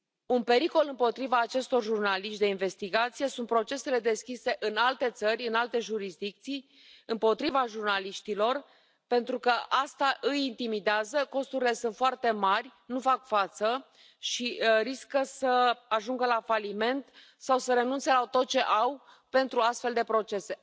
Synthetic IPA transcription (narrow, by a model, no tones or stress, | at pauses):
unpe̞ɾiko̞lɨmpo̞t̪ɾivaːt͡ʃe̞st̪o̞rʒurnaliʃt̪̚d̪e̞inve̞st̪iɡat̪sije̞sunt̪̚pɾo̞t͡ʃe̞se̞le̞d̪e̞skʲise̞ʔɨnalt̪e̞t̪sərʲɨnalt̪e̞ʒuɾisd̪ik̚t̪sij | ɨmpo̞t̪ɾivaʒurnaliʃt̪ilo̞r | pe̞nt̪ɾukəʔast̪aʔɨjint̪imid̪eazəko̞st̪uɾile̞sunt̪foart̪e̞marʲnufakfat̪sə | ʃiɾiskəsəaʒuŋɡəlafalime̞nt̪ | sawsəɾe̞nunt̪se̞lat̪o̞t̪̚t͡ʃe̞ʔaw | pe̞nt̪ɾuast̪fe̞ld̪e̞pɾo̞t͡ʃe̞se̞